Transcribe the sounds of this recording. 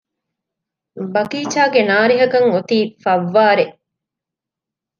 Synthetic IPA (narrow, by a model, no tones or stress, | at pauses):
bɐkiːt͡ʃaːɡenaːɾiɦɐkɐŋot̪iːfɐʋːaːɾeʔ